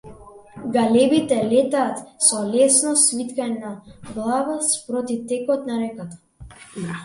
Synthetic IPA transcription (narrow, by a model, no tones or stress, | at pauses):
ɡalɛbit̪ɛlɛt̪aːt̪sɔlɛsnɔsvit̪kanaɡlˠavaspɾɔt̪ift̪ɛkɔt̪naɾɛkat̪ḁ